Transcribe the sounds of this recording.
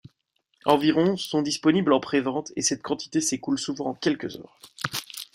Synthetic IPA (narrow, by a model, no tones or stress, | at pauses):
ɑ̃viʁɔ̃sɔ̃d̪ispɔniblɑ̃pχevɑ̃t̪ʰesɛt̪̚kʰɑ̃t̪i̥t̪esekulsuvɑ̃ɑ̃kʲɛlkəzœ̰ːʁ